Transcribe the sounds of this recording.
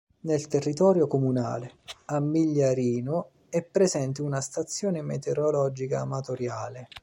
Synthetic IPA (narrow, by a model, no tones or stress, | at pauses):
nelt̪erːit̪ɔːɾjokomuna̰ːleamːiʎːaɾiːno | ɛpːɾezɛnt̪iunast̪at̪sːjɔːnemḛt̪eɾolɔd͡ʒikaːmat̪oɾjaːle